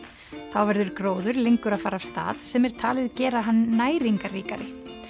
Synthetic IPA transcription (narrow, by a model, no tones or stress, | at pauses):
θawvɛɾðʏɾkɾoːwðʏɾlejŋkʏɾaðfaːɾavst̪a̰ːðsɛmɛɾ̥t̪ʰaːlɪðcɛːɾaɦanːaːjɾiŋkariːkaɾɪ